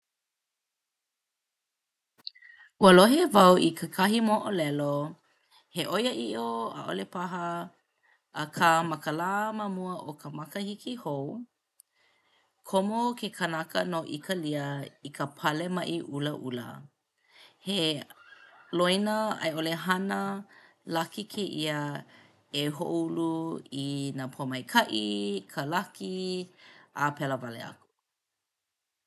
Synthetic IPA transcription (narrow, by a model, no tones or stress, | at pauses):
ʔuəloɦevɐwikʰəkʰɐɦimoʔolɛlo | heʔojəʔiʔoə̰ʔo̰lepaɦə | kʰamɐkəlaːmɐmuəʔokʰəmɐkəhikʰihow | kʰomokʰekʰɐnakə̰noʔikəliəikʰəpʰɐlemɐʔiʔuləʔulə̰ | he | loinəɐ̰joleɦɐnə | lɐkikʰeʔiə | eɦoʔouluinapʰomɐjkʰɐʔikʰəlɐki | ʔapɛləvalḛɐ̰ku̥